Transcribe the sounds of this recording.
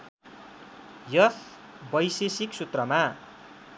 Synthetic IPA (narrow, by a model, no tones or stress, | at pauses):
jʌs | bʌjsesiksut̪rʌma